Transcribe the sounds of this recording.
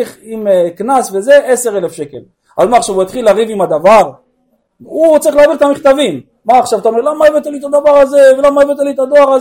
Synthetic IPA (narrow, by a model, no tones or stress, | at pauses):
iχimeknasve̞ze̞ʔese̞ʁelefʃe̞kel | a̰lmaːχʃavuit̪χilaʁivimad̪avaʁ | ut͡saʁiχlaviʁt̪amiχt̪avimː | aːχʃavat̪aomeʁlamaevet̪alit̪ad̪avaʁazevelamajvet̪̬alit̪ad̪o̞aʁaz